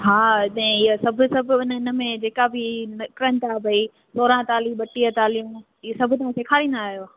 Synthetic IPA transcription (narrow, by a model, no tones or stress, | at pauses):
ɦaːɪɗ̪ɛɪ̃ɪɦsɐbʱʊ̆sɐbʱʊɪnɪnə̆mẽd͡ʑeːkabʱɪnkɾə̃nt̪aːbʱɐi | soːɾãt̪aːliɓɐʈiət̪aːliũ | ɪsɐbʱʊt̪ɐʋãːseːkʰaːɾĩːnd̪aaːɦijo